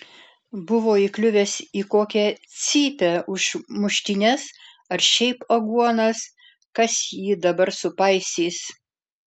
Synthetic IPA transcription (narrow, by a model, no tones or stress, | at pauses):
bʊʋoːiklʲʊʋʲeːsiːkoːkʲɛt̪sʲiːpʲɛʔʊʃmʊʃʲt̪ʲɪnʲɛs | ɐɾʃʲɛɪpɐɡuɔnɐs | kɐsjiːd̪ɐbɐɾsʊpɐɪsʲiːs